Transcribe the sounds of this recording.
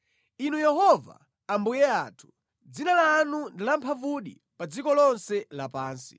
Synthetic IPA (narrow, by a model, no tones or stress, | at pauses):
inujɛɦɔva̰ | ambujɛaːtʰu̥ | d͡zinalaːnundilampʰavuɗḭ | pad͡zikɔlɔnsɛlapaːnsi̥̰